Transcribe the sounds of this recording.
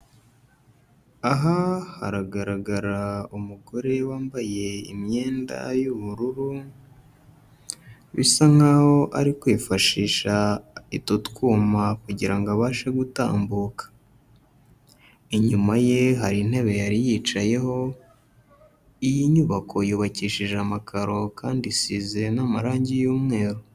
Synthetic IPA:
aɦaha̰ɾaɡaɾaɡaɾaumuɡo̞ɾe̞waːmbaje̞ḭmɲe̞ːnda̰juβuɾuɾu | βḭsaŋ̥aho̞ʔa̰ɾikwifaʃiːʃaitutkuːmakuɟiɾaŋɡoaβaːʃe̞ɡuta̰ːmbuːkḁ | iɲumaje̞ɦaɾinhe̞βe̞jaɾijit͡ʃaje̞ho̞ | ijiɲuβakʰo̞juːβaciːʃiʒamakʰaɾo̞kaːndisize̞namaɾaːɲɟijuːmŋe̞ːɾo

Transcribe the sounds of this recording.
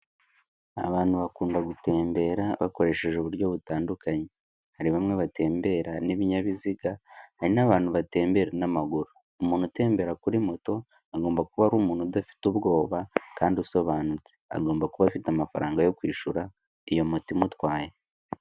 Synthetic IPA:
a̰βaːn̥huβakuːndaɡute̞ːmbe̞ːɾaβa̰ko̞ɾe̞ːʃe̞ʒeuβuɾɟo̞βutaːndukaɲe | haɾiβamŋe̞βate̞ːmbe̞ɾaniβiɲaβiziɡahaɾinaβaːnhuβate̞ːmbe̞ɾenamaɡuɾoːmuːn̥ute̞ːmbe̞ɾakuɾimo̞to̞ | aɡo̞ːmbakuβaɾuːmuːn̥hudafi̥tuβɡo̞ːβakaːndiuso̞βaːnut͡se̥a̰ɡo̞ːmbakuβafitamafa̰ɾaːŋɡajo̞kwiːʃuɾa | ijo̞motimutwaːje

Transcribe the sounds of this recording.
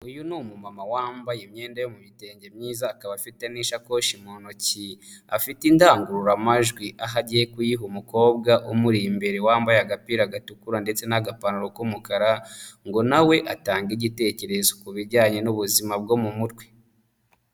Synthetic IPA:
ujunumumamawaːmbajemɲe̞ːndajomumite̞ːɲɟemɲiːzaːkaβafiteniʃako̞ʃimonociafitindaːŋɡuɾuɾamaʒɡwiʔaɦaɟijekujiɦumuko̞ːbɡaʔomuɾimbe̞ɾewaːmbajaɡapiːɾaɡatukuɾande̞t͡se̞naɡapanuɾokomukaɾaŋɡo̞nawe̞ʔataːŋɡiɟite̞ce̞ɾe̞zokuβiɾɟaːɲe̞nuβuzimab̚ɡo̞mumuɾɡwe̥

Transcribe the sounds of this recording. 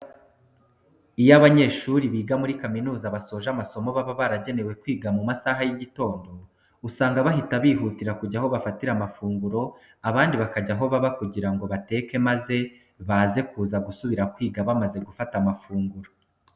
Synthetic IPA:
ijaβaɲe̞ːʃuɾiβiːɡamuɾikaminuːzaβaso̞ːʒamaso̞mo̞βaβaβaɾaɟe̞ne̞we̞kwiːɡamumasaɦajiɟito̞ːndo̞ | usaːŋɡaβaɦitaβiːɦuːtiɾakuɟaɦo̞βafatiɾamafuːŋɡuɾo̞ | aβaːndiβakaɟaɦo̞βaβakuɟiɾaŋɡo̞βate̞ːke̞maze̞ | βaze̞kuːzaɡusuβiɾakwiːɡaβamaze̞ɡufatamafuːŋɡuɾo

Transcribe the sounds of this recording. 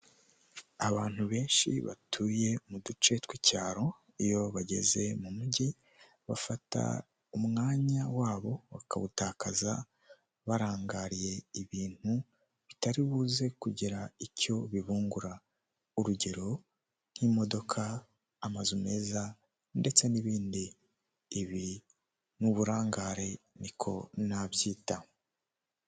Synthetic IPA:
aβaːn̥huβe̞ːnʃḭβa̰tʰuːje̞mudut͡ʃe̞twicaːɾo̞ | ijo̞βaɟe̞̰ze̞mumuɟi | βa̰fata̰ | umŋaːɲawaːβo̞βa̰kaβutaːkaza̰ | βaɾaːŋɡaɾije̞iβiːn̥hu | βitaɾiβuːze̞kuɟiɾaico̞βiβuːŋɡuɾa | uɾuɟe̞ɾo̞ | n̥himo̞do̞kʰaː | mazume̞ːza | nde̞t͡se̞niβiːndiː | βi | nuβuɾaːŋɡaːɾe̞nikʰo̞̰naβjiːta

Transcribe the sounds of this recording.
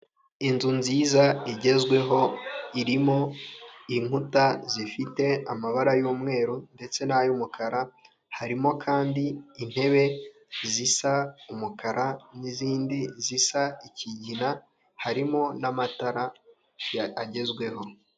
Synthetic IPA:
inzunziːzaiɟe̞zɡwe̞ɦo̞iɾimo̞iŋ̥utazifite̞amaβaɾajuːmŋe̞ːɾunde̞t͡se̞najumukʰaɾa | haɾimo̞kʰaːndiːn̥he̞βe̞ | zisaumukaɾaniziːndizisaiciɟina | haɾimo̞namataɾa | aɟe̞zɡwe̞ɦo̞

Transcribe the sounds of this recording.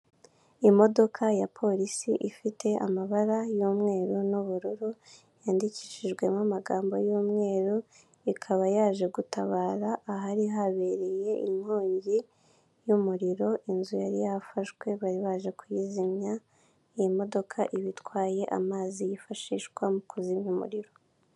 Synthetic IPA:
imo̞do̞kʰajapʰo̞ɾisḭʔifitʰe̞a̰maβaɾajuːmŋe̞ːɾunuβuɾuɾu | jaːndici̥ːʃiʒɡwe̞mamaɡaːmbo̞̰juːmŋe̞ːɾu | ikʰaβajaːʒe̞ɡutaβaːɾaʔːɦaɾiɦaβe̞ɾeje̞in̥hoːɲɟi | jumuɾiɾo̞ʔinzujaɾḭjafaʃɡwe̞βaɾiβaʒe̞kujizimɲa | iimo̞do̞kʰaʔiβitwaːje̞ʔa̰maːzijifaʃiːʃɡwamukuzimɲumṵɾiɾo

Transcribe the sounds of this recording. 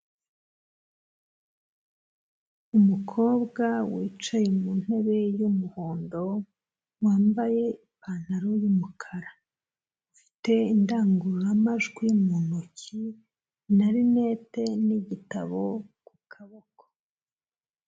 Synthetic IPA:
umukʰo̞ːbɡawiːt͡ʃajemun̥he̞βe̞jumuhoːndo̞ | waːmbaje̞ipaːn̥aɾojumukʰaɾa | fi̥te̞indaːŋɡuɾuɾamaʒɡwimunucʰi | naɾine̞ːte̞niɟita̰βo̞kukʰaβoko̥

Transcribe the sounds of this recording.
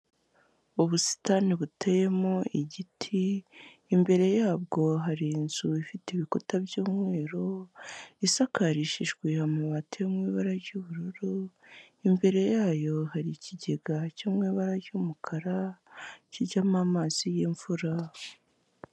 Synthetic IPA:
uβusi̥taniβuteje̞moiɟitʰiː | mbe̞ɾe̞jaːb̚ɡo̞ɦaɾinzuifiteβikotabjuːmŋe̞ːɾo̞ | isakaɾiʃiʒɡwehamŋeβatʰejemŋiːβaɾaɾɟuːβuɾoɾo | imbe̞ɾe̞jaːjo̞haɾiciɟe̞ɡacoːmŋiːβaɾaɾɟumukʰaɾa | ciɾɟamamaːz̥ijeɱv̥uɾa

